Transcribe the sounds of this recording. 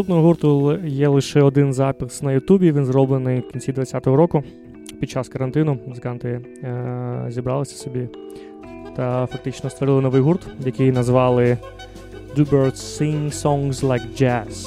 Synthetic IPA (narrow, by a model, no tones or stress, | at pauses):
st̪up̪nɔɦɔɦurt̪ʊjɛlˠɪʃɛɔd̪ɪnzɑpʲɪsnɐjʊt̪ubʲiʋʲinzɾɔblˠɪnɪjwkʲinʲt͡ssʲid̪ʋɐt͡sʲːat̪ɔɦɔɾɔkʊ | pʲid̪̚t͡ʃaskɐɾɐnt̪ɪnʊmʊzɨkɑnt̪ɪ | zʲibɾɑlˠɪsʲɐ̥sɔbʲi | t̪ɐfɐk̚t̪ɪt͡ʃnɔst̪ʋɔɾɪlˠɪnɔʋɪjɦurt̪jɐkɪjnɐzʋɑlˠɪ | d̪ubɛrt̪siŋsɔŋzlˠajkd͡ʒæs